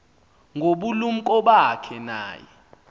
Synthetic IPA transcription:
ŋʱoɓulum̩kʼɔɓakʰɛna̰ːjɛ

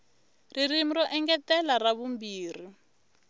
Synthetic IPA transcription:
ririm̩ɾɔʔɛŋɡɛtɛlaraβumbiːri

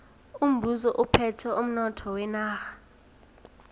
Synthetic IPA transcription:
um̩bʱuzɔʔupʰɛtʰɛʔum̩nɔtʰɔwɛnaːxḁ

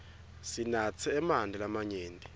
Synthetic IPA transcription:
sinat͡sʰɛɛmandʱɛlamaɲeːndʱʼi

